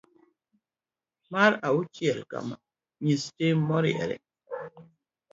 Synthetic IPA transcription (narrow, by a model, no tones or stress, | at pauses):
maɾawut͡ʃjɛlka̰ma̰ | ɲistemɔɾiɛ̰ɾɛ̰